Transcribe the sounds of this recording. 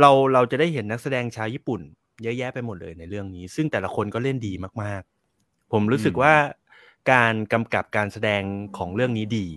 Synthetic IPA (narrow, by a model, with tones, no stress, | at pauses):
ɾa˧wɾa˧wt͡ɕa˨˩daː˥˩jɦe˩˦nːa˦˥k̚sa˧dɛː˧ŋt͡ɕʰaː˧wjiː˥˩pu˨˩n | jjɛː˦˥˩pa˧jmo˨˩t̪̚lɤ̰ː˧jna˧jɾɯ˥˩əŋniː˦˥sɯ˥˩ŋt̪ɛː˨˩la˦kʰo˧nkɔː˥˩le˥˩ndiː˧maː˥˩k̚maː˥˩k̚ | pʰo˩˦mɾuː˦˥sɯ˨˩k̚waː˥˩ | kaː˧nka˧mka˨˩p̚kaː˧nsa˧dɛː˧ŋkʰɔː˩˦ŋɾɯ˥˩əŋniː˦˥diː˧